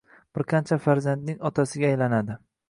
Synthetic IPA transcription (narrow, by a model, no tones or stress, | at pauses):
b̥ɪɾqʰant͡ʃʰafaɾzand̪nɪŋɒt̪ʰasɪɡʲaːjlanad̪ɪ